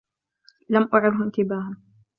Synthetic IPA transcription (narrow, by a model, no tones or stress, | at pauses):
lamʔʊʕɪd̪ɦʊʔɪnt̪ɪbaːhʊn